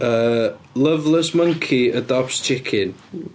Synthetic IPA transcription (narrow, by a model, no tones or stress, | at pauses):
əːlˠəvlˠəsməŋkʰiədɔpst͡ʃʰɪkʰɪn